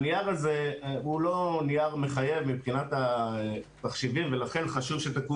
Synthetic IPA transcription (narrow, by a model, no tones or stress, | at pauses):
niaʁaze̞ulo̞nijaʁme̞χaje̞vmipχinat̪a | t̪aχʃivimve̞laχe̞nχaʃuvʃet̪aku